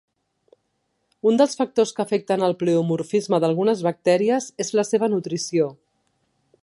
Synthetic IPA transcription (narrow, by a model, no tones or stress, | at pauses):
und̪əlˠsfək̚t̪oskəfɛk̚t̪ənəlˠpleumuɾfizməðəlˠɣunəzβək̚t̪ɛɾiəzezləseβ̞ənut̪ɾisio